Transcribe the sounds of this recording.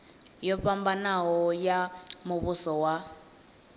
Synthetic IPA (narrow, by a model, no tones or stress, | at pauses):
jɔɸambanaɦɔjamuβusɔwa